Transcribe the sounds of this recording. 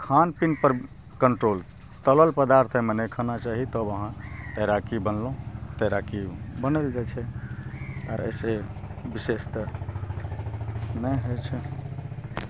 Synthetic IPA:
kʰanpinpəɾ | kəɳʈɾol | t̪ələlpəd̪aɾt̪ʰɛmənekʰənat͡ʃaɦit̪əbəɦãt̪əɾakibənl̃t̪əɾakibənəld͡ʒat͡ʃʰɛ | a̰ɾə̰sebisest̪ə | nəɦot͡ʃʰɛ

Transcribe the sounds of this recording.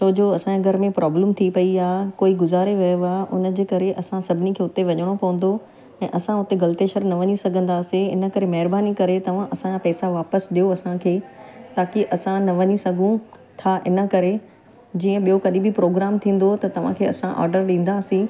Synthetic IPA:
soːd͡ʑoɐsãeɡʱɐɾmẽpɾʔɔːbləmt̪ʰipɐiaːɦkoːiɡʊzaːɾeʋɐjoaːʔʊ̰nə̆d͡ʑeːkɐɾeʔɐsãsɐbʱɪnikʰeːʊt̪eʋɐɲəɽ̃opɐʋə̃n̆d̪o | ɛ̃ːʔɐsãʊt̪eɡɐlt̪eːʃəɾnɐʋɐɲisɐɡʱə̃nd̪aːsĩɪnə̆kɐɾemɐɦɪɾbaːnikɐɾet̪ɐʋ̤ãʔɐsãd͡ʑapɛːsaʋaːpəsɗijoɐsãkʰeːt̪aːkiʔɐsãnɐʋɐɲisɐɡʱũ | t̪ʰaʔɪnə̆kɐɾe | d͡ʑiːə̃ɓijokɐɗibʱipɾoːɡɾaːmt̪ʰĩːn̆d̪ot̪ɐt̪ɐʋ̤ã̰kʰeːɐsãʔɔ̰ːɾɖəɾɗĩːn̆d̪aːsĩː

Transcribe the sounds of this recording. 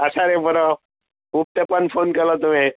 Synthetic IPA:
əsaɾebʱəɾɔ | kup̚t̪epənfonkeɾlɔt̪um̤i

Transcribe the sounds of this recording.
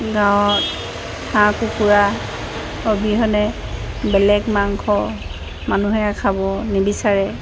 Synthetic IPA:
ɡãwɔt̚ | hʰãkukuɹa | obiɦɔnɛ | bɛlɛkmaŋkʰɔ | manuɦɛakʰabɔnibisaɹɛ

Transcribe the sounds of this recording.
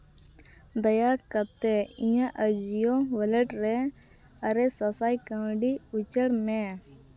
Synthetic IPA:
d̪əjaːkət̪eĩjãʔəd͡ʒijõʋələʈɾẽ | əɾesəsaːikə̃ːɖiʊt͡ʃəɽmẽː

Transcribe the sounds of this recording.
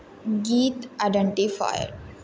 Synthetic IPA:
ɡiːt̪aɪɖəɳʈifa̰jə̰ɾ

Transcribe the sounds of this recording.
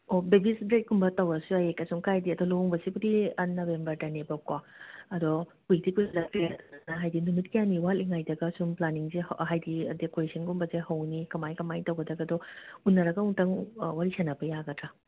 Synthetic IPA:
obebisdɾet̚ɡumbɐtɐwɐsuajekɐsuŋkajdiɐdɔloŋbɐsibudiɐnobembɐɾdɐnebɐkwaɐdɔkuik̚dikujsadakeaɾɐtnɐnɐɦajdinumit̚kijaniwaliŋajdɐɡɐsumplaniŋzehɦajdidekoɾesɐnɡumbɐzehɐwnikɐmajkɐmajtɐwɡɐdɐɡɐdɔunːɐɾɐɡɐuŋtɐŋwaɾisʰanɐpɐjaɡɐtɾɐ

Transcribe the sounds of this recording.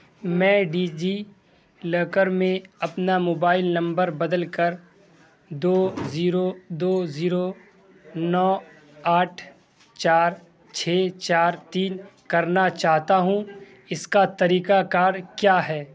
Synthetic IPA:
mɛ̃ːɖiːd͡ʒi | ləːkəɾmẽɐpnamoːbaːɪlnɐ̃mbəɾbɐd̪əlkəɾ | d̪oːziːɾod̪oːziːɾo | nɔː | aːʈʰ | t͡ʃaːɾ | t͡ʃʰeːt͡ʃaːɾt̪iːnkɐɾnat͡ʃaːɦt̪aɦũ | ɪskat̪ɐɾiːkakaːɾkjaːɦɛː

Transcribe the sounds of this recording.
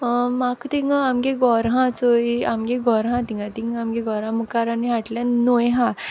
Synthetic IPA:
makt̪iŋɡamɡeɡɔɾɦãt͡soiamɡeɡɔɾɦãt̪iŋɡat̪iŋamɡeɡɔɾãməkaɾaniɦaʈlãnojɦã

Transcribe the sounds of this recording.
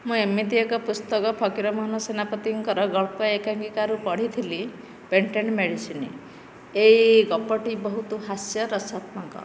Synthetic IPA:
mũemːit̪iekɔpust̪ɔkɔpʰɔkiɾɔmɔɦnusenapɔt̪iŋkɔɾɔɡɔɭpɔekaŋkikaɾupɔɽ̤it̪ʰili | peɳʈeɳmeɽisini | eiɡɔpɔʈibɔɦut̪uɦasjɔɾɔsat̪mɔŋkɔ̰

